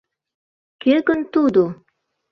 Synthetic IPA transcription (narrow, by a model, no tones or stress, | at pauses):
keɡənt̪ud̪o